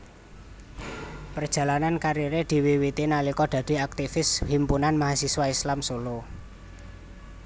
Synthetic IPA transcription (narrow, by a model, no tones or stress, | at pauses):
pərd̥ʒ̥ä̤lanankaɾiɾed̪̥i̤wiwit̪inalikɔɖ̪̥a̤d̪̥e̤ak̚t̪ifɪshimpunanmaɦasiswaislamsulo